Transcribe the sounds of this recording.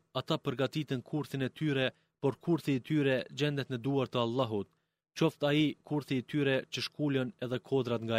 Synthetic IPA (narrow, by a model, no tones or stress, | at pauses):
at̪apəɾɡat̪it̪ənkʰuɾθinɛt̪yɾɛ | pɔɾkʰuɾθiːt̪yɾɛd͡ʑɛnd̪ɛt̪nəd̪uaɾt̪əalˠːɑɦut̪̚ | t͡ʃɔft̪aikuɾθiːt̪yɾɛt͡ɕəʃkulənɛðɛkʰɔd̪ɾat̪ŋɡa